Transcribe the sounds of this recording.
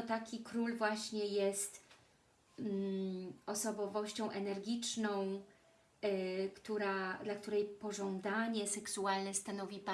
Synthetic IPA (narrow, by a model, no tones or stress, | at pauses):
t̪akʲikɾulvwaɕɲɛjɛst̪ | ɔsɔbɔvɔɕt͡ɕɔ̃w̃ʔɛnɛɾɡʲit͡ʂnɔ̃w̃ | kt̪uɾad̪lak̚t̪uɾɛjpɔʐɔnd̪aɲɛsɛksualnɛst̪anɔvʲipa